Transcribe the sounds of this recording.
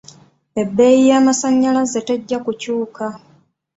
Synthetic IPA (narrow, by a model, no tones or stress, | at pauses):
e̞bːe̞jijaːmasaɲːalaze̞teɟːakucuːka